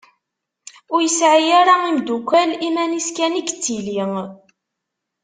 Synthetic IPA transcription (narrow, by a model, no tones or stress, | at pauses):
ʊɾjəsʕijaɾaimd̪ukʷælimæniskænikːə̥t͡sːiliŋ